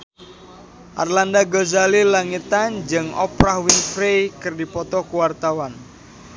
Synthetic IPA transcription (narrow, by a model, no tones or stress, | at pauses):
ʔa̰rlandaɡozalilaŋit̪and͡ʒɨŋɔ̰pɾahwiŋfɾejkɨrdipɔt̪ɔkuwart̪awan